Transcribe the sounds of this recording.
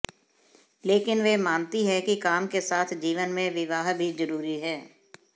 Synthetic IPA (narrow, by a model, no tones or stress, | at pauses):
leːkɪnʋemaːnt̪iɦɛkikaːmkesaːt̪ʰd͡ʒiːʋənmẽʋɪʋaːɦbʱizɐɾuːɾiɦɛː